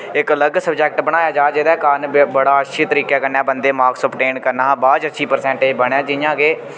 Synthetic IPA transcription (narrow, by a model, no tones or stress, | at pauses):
ɪkələɡsəbd͡ʒɛːkʈbəɽ̃aːjaːd͡ʒaːd͡ʒɪd̪ɛːkaːnbəɽaːəʃʰiːt̪əɾiːkɛːkəɾnɛːbənd̪eːmaːksəpʈeːnkəɾnãːbaːd͡ʒətːʃʰiːpəɾsɛ̃ːɳʈeːbəɽãːd͡ʒɪjãːɡeː